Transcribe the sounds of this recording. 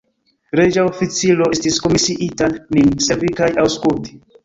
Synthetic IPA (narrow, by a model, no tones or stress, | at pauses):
ɾed͡ʒaofit͡silo̞estisko̞misiʔitaninsevikajawskulti̥